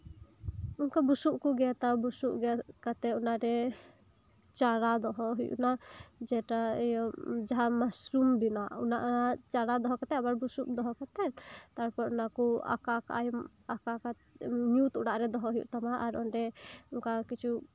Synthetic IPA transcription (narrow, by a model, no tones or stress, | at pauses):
uŋkabusuʔkuɡɛat̪abusuʔɡɛkat̪ɛunaɾɛ | t͡ʃaɾad̪ɔɦɔɦujṵʔnad͡ʒɛʈajɔd͡ʒaɦamasɾumbinaʔunaʔat͡ʃaɽad̪ɔɦɔkat̪ɛabaɾbusuʔd̪ɔɦɔkat̪ɛt̪aɾpɔɾunakua̰kaka̰ʔajɔm | akaka | ɲut̪uɽaʔɾɛd̪ɔɦɔɦujṵʔt̪amaʔaɾɔ̰nɖɛuŋkakit͡ʃu